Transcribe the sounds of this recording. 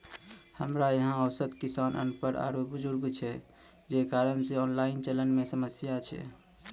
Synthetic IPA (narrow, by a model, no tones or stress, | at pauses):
həmɾajeɦãəwsət̪kisanʔə̰npəɾʔa̰ɾobud͡ʒuɾɡt͡ʃʰɛ | d͡ʒekaɾənseɔnlaint͡ʃələnmesəməsjat͡ʃʰɛ̰